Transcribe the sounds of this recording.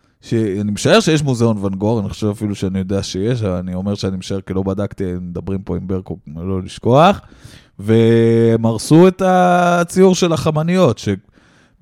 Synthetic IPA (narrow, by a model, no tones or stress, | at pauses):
ʃeanimeʃae̞ʁʃejeʃ̬muzeo̞nvanɡoʁaniχoʃe̞vafiluʃeanijo̞d̪eaʃejeʃ̬avanio̞me̞ʁʃeanimeʃae̞ʁkilo̞badakt̪imed̪abʁimpo̞imbeʁkolo̞liʃko̞aχ | ve̞maʁsuetat͡siuʁʃe̞laχamanijo̞tʃe